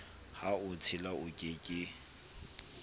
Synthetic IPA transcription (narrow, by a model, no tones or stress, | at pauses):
haʊt͡sʰɪlaʊkʼɪkʼɪ